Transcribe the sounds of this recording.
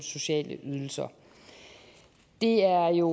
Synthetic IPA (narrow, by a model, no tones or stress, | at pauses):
so̝ɕɛ̰ːləʔyð̞ˠl̩sɐ | d̥e̝æɐjo̝